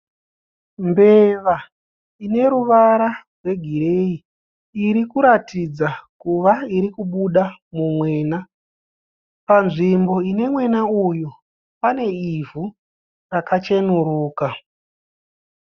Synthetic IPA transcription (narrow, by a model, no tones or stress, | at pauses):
mbeʋa | ine̞ɾuʋaɾarwe̞ɡʱiɾeiː | ɾikuɾatid͡zakuʋaiɾikuɓuɗamumwe̞ːna | panʐimbo̞ine̞mwe̞naujo | pane̞ivʱu | rakat͡ʃe̞nuɾuːka